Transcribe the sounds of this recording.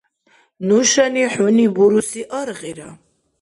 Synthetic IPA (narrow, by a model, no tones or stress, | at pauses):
nuʃaniħunibuɾusiʔɐɾʁiɾa